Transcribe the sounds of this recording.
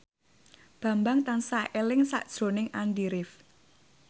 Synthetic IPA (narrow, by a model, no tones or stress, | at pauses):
b̥ä̤mbaŋt̪ansaʔelɪŋsa̰ʔd̥ʒ̥ɾo̤nɪŋand̪iɾɪf